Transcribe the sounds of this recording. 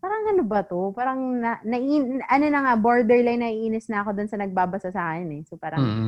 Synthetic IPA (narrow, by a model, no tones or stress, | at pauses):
paːɾɐŋɐnobɐt̪o̞paːɾɐŋnɐnɐʔiʔɐnonɐŋaboɹd̪ɛɹlajnɐʔiʔʔiːnɪsnɐʔɐko̞d̪ʊnsɐnɐɡ̚baːbɐsasɐʔakɪnɛsopaːɾɐŋ